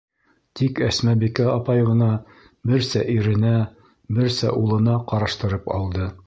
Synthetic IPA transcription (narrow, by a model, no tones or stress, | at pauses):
t̪ikæsmæbikæɑpɑjʁɤ̆nɑ | bɘɾsæʔiɾɘ̆næ | bɘɾsæ̰ʔulˠɤ̆nɑqɑɾɑʃt̪ɤ̆ɾɤpɑ̰lˠd̪ɤ